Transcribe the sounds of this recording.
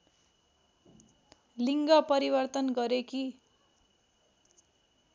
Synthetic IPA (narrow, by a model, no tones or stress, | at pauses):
liŋɡʌpʌɾibʌrt̪ʌnɡʌɾeki